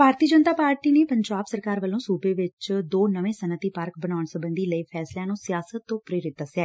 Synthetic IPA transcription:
bʱaːɾt̪iːəd͡ʒənt̪aːpaːɾʈiːneːpəɲd͡ʒaːbsəɾkaːɾʋəlõːsuːbeːʋɪt͡ʃd̪oːnəʋẽːsənət̪iːpəɾk̚bənaːʊɳsəbənd̪iːləiːpʰɛːsljãːnũːsɪjaːsət̪ːõːpɾeːɾɪt̪̚d̪əsjaːɛː

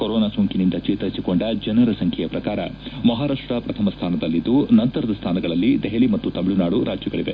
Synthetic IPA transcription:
koɾoːnaːsoːŋkinind̪ɐt͡ʃeːt̪ɐɾɐsiko̞ɳɖɐd͡ʒɐnɐɾɐsɐŋkʰɛjɐpɾɐkaːɾɐ̰mɐɦaːɾaːʂʈɾɐpɾɐt̪ʰɐmɐst̪ʰaːnɐd̪ɐlːid̪unɐnt̪ɐɾɐd̪ɐst̪ʰaːnɐɡɐɭɐlːid̪ɛɦɐɭimɐt̪ːut̪ɐmɭunaːɽuɾʔaːd͡ʒjɐɡɐɭiʋe

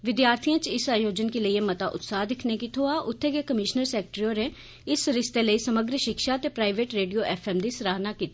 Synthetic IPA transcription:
ʋɪd̪jaːɾt̪ʰijãːt͡ʃɪsaːjoːd͡ʒənkiləieːmət̪aːʔʊ̰t̪saːd̪ɪkʰneːkit̪ʰoːaːʔʊt̪ʰːeːɡekəmɪʃnəɾsɛːk̚ʈɾioːɾe | ɪsɾɪst̪eːləiːsəməɡɾʃɪkʃaːt̪eːpɾaːɪʋeːʈɾeːɖijoːʔɛːpʰɛːmd̪iːsɾaːnaːkiːt̪i

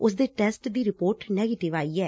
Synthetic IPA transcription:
ʊs̬d̪eːʈɛːsʈd̪iːɾɪpoːɾʈnɛːɡeːʈɪʋaːiːɛː

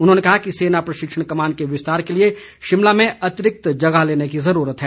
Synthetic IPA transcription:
ʊnɦõːnekɐɦakiseːnapɾɐʃɪkʂəɽ̃kɐmaːnkeʋɪst̪aːɾkelie | ʃɪmlamẽɐt̪ɪɾɪk̚t̪d͡ʒɐɡaɦleːnekizɐɾuːɾət̪ɦɛː

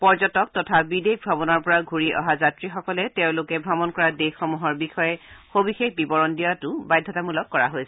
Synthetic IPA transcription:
pɔɹzɔtɔk̚tɔtʰabidek̚bʱabɔnɔɹpɔɹaɡʱuɹiʔɔ̰ɦazatɹixɔkɔlɛtẽʊ̃lʊkɛbʱabɔnkɔɹadexːɔmuɦɔɹbixɔjɛxobixexbibɔɹɔndijatʊbajdʱːɔtamulɔkːɔɹa̰ɦojsɛ̥

